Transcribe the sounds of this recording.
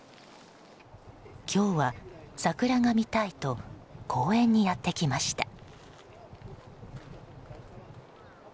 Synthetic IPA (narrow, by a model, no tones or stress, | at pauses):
kʲʰo̞ːβasakɯ̟ɾaŋamʲit̪ait̪o̞kʰo̞ːẽ̞ɲ̟ːijat̪ːe̞kʲimaɕi̥t̪ḁ